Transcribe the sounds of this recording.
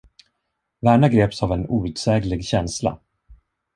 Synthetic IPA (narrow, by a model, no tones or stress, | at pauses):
væːɳaɡɾeːpsavɛnuːʉt̪sɛːɡlɪɡɕɛnsla̰